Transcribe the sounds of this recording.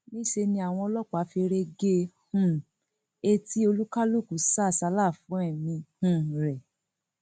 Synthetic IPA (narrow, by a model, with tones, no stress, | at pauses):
nĩ˦ʃe˧nĩ˧a˨w̃ɔ̃˧ɔ˧lɔ˦k͡pa˨˦fi˧ɾe˧ɡe˧hũ˦˨ | e˦ti˦o˧lu˦ka˦lu˦˨ku˨˦sa˦˨sa˧˦la˦˨fũ˨˦ɛ˦˨mĩ˧hũ˦˨ɾɛ˨